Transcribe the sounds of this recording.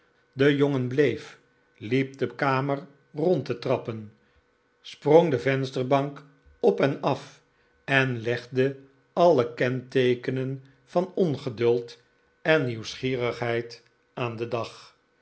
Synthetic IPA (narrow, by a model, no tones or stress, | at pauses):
dəjoŋənblejf | lip̚dəkaːmər | rɔntətrɑpən | sproŋdəvɛnstəɹbɑŋk | ɔpɛnɑf | ɛnlɛχdə | ɑləkɛntejkənən | v̥ɑnɔnχədɵlˠt | ɛnːiwsχiːrəχɦɛjt | aːndədɑχ